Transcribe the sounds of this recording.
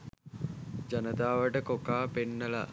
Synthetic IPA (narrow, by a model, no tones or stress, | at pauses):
d͡ʒɐnət̪aːʋəʈəkokaːpenːəla̰